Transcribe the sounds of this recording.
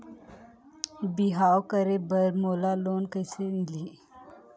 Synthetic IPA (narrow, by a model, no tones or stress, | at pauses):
biɦaːokəɾebəɾmoːlaloːnkəjsenliː